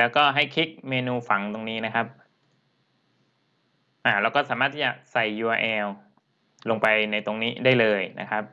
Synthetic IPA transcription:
lɛː˦˥wkɔː˥˩ɦa˥˩jkʰi˦˥k̚meː˧nuː˧fa˩˦ŋt̪o˧ŋniː˦˥na˦˥kʰa˦˥p̚ | ʔaː˨˩lɛ˦˥wkɔː˥˩saː˩˦maː˥˩t̪ʰːiː˥˩t͡ɕa˨˩k̚sa˨˩jːuː˧ʔaː˧ʔɛː˧w | lo˧ŋpa˧jna˧jt̪o˧ŋniː˦˥daː˥˩jlɤː˧jna̰˦˥kʰa˦˥p̚

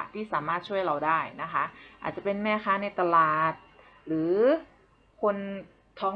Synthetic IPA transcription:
t̪ʰiː˥˩saː˩˦maː˥˩t̪̚t͡ɕʰu˥˩əjɾa˧wdaː˥˩jna˦˥kʰa˦˥ʔa̰ː˨˩t̪̚t͡ɕa˨˩pe˧nmɛː˥˧˩xʰaː˧˥na˧jt̪a˧laː˨˩t̪̚ | ɾɯː˩˦ | kʰo˧n | t̪ʰɔː˧˥ŋ

